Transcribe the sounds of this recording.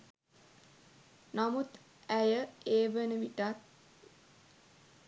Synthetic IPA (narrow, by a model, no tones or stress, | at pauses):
namut̪ | æjəeːʋənəʋiʈat̪̚